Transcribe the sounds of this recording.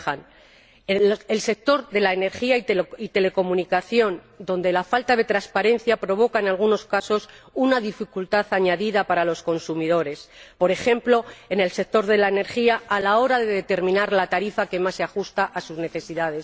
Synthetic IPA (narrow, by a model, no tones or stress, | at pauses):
an | else̞k̚t̪o̞ɾðe̞laene̞ɾxiaiit̪e̞le̞ko̞mũnikaθjo̞n | d̪o̞nd̪e̞lafalt̪aðe̞t̪ɾaspaɾe̞nθjapɾo̞β̞o̞kaenalɣuno̞skaso̞sunaðifikult̪aθaɲaðiðapaɾalo̞sko̞nsumiðo̞ɾe̞spo̞ɾe̞xe̞mplo̞ene̞lse̞k̚t̪o̞ɾðe̞laene̞ɾxiaːlao̞ɾaðe̞ðe̞t̪e̞ɾmĩnaɾlat̪aɾifake̞masːeaxust̪aʔasuzne̞θe̞siðaðe̞s